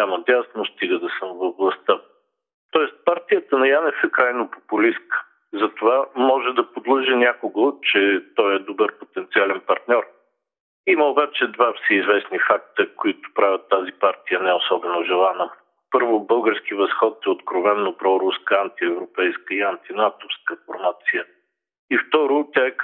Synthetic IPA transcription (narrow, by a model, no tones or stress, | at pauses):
amɐd̪ʲasnost̪iɡəd̪ɐsɤmvoblˠɐst̪ə | t̪ɔɛst̪̚paɾt̪ijət̪ənɐjanɛfɛkɾajnopopʊliskə̥ | zɐt̪ovamɔʒɛd̪ɐpod̪lˠɤʒɛnʲakoɡot͡ʃɛt̪ɔjɛd̪obəɾpot̪ɛnt̪sialɛnpɐɾt̪nʲɔɾ | iməobat͡ʃɛd̪vafsiːzvɛsnifak̚t̪əkoit̪ʊ̥pɾavʲɐt̪ːazipaɾt̪ijənɛosɔbɛnoʒɛlˠanə | pɤɾvʊbɤlˠɡəɾskivɐsxɔt̪ɛot̪kɾovɛnːopɾɔɾuskəant̪iɛvɾopɛjskəiant̪inat̪ofskəfoɾmat̪sijə | ift̪ɔɾʊt̪ʲjaɛ